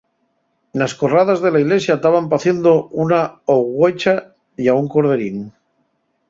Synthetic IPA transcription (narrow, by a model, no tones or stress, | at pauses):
nasko̞raðazðelaiɣle̞sjat̪aβampaθje̞nd̪ounaoɣwet͡ʃa | jauŋkoɾð̞e̞ɾin